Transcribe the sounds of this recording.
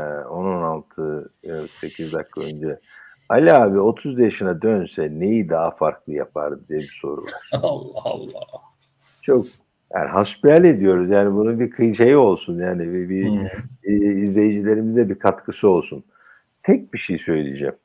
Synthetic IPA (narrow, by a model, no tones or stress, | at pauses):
ɛononalˠt̪ʰɯse̞cʰizd̪akʰːaønd͡ʒɛ | alʲaːbio̞t̪ʰuzd̪ajaʃɯnad̪ønsɛnejid̪aɦafaɾklˠɯja̰pʰa̰ɾd̪d̪ijɛbiso̞ɾṵva̰ɾ̥̰ˠlˠː | t͡ʃʰo̞k̚ | ja̰ːniɦaspialʲe̞d̪ijo̞ɾuzjaːnibununbiɾkʰɯjt͡ʃʰejio̞lˠsunjaːnivɛbi | zlʲe̞jid͡ʒilʲe̞ɾimizd̪ɛbikʰat̪kʰɯsɯo̞lˠsun | t̪ʰɛc̚biʃejsø̞jlʲḭd͡ʒɛ̰m